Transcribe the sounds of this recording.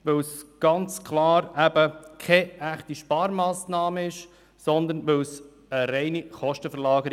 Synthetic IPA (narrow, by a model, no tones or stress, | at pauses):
ʋɛwsɡ̥ɑnt͡skʰlɑːɾæbəkʰɛæχtiʃpɑːɾmɑːsnɑːməɪʃ | sɔnd̪ənʋews | əɾɛɪniχɔʃtəfəɾlɑːɡəɾ